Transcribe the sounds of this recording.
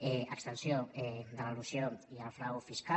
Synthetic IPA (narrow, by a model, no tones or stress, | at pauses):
ɛa̰kst̪ənsjoɛd̪əlalusjonialfɾawfiska